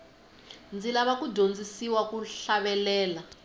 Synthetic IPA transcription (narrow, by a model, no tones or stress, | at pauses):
nd͡zilaβakudʱond͡zisiwakuɬaβɛlɛːla